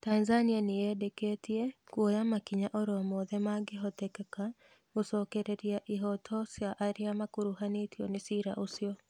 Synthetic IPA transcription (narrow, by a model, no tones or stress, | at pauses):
tanzanianejɛdeketiekwɔjamakiɲaʔɔɾɔmɔðɛmaɡeɦɔtɛkɛka | ɡosɔːkɛɾeɾiaʔiɦɔtʰɔsjaʔːɾiamakoɾuhanetiɔnesiɾa̰ʔosiɔ